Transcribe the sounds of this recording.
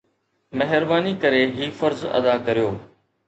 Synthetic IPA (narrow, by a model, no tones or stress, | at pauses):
mɛɦɪɾbaːnikəɾeɦiːfəɾzɐ̰d̪akɐɾijoː